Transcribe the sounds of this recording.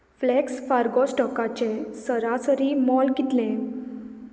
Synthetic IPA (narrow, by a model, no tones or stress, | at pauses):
flɛksfaɾɡɔsʈɔkat͡ɕesəɾasəɾimɔlkit̪lẽ